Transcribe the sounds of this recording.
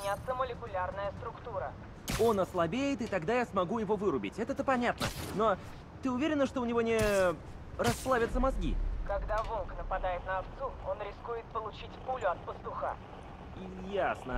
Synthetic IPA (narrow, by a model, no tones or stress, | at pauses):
nʲat̪səməlʲɪkʊlʲarnəjəst̪ɾʊkt̪uɾə | o̞nɐslˠɐbʲejɪt̪ɨt̪ɐɡd̪ajasmɐɡujɪvo̞vɨɾʊbʲɪ̰tʲɛt̪ɛt̪əpɐnʲat̪nə̰no̞ | t̪ɨʊvʲeɾʲɪnːəʂt̪o̞ʊnʲɪvo̞nʲɪ | ɾɐsplˠavʲət̪səmɐzɡʲḭkɐɡd̪avonknəpɐd̪ajɪt̪nəɐft̪suo̞nɾʲɪskujɪt̪̚pəlˠʊt͡ɕitʲpulʲʊɐt̪̚pəst̪ʊxa̰ | i | jasnə